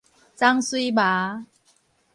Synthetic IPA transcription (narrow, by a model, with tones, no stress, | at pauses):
t͡sa˦˧ŋswi˦ba˨˦